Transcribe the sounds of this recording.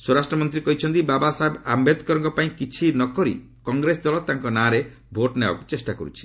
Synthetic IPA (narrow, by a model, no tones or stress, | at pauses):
soɾasʈɾɔmɔnt̪̬ɾikɔɦit͡ʃʰɔnt̪̬ibabasaɦebambed̪kɔɾɔŋkɔpaĩkit͡ʃʰinɔkɔɾḭ | kɔŋɡɾesd̪ɔlɔt̪aŋkɔnãɾe | bʱoʈneba̰ku̥t͡ʃesʈakɔ̰ɾṵt͡ʃʰi̥